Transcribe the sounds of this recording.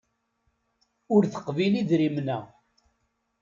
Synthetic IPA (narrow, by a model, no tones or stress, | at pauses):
ʊɾθə̥qviliðɾimnæ